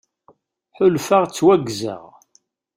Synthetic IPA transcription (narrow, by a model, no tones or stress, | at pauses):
ħʊlfaʁt͡sːwæɡza̰ʁ